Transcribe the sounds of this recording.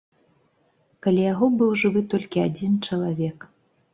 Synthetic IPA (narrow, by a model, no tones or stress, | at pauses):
kalʲɛjaɣɔbɨwʐɨvɨt̪ɔlʲkʲiad͡zʲint͡ʂɐlˠavʲɛk